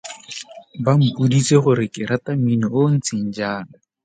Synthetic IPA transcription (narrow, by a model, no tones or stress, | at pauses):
bam̩pʼudiseχʊɾɪkɪɾataminɔon̩t͡sʰin̩d͡ʒaːna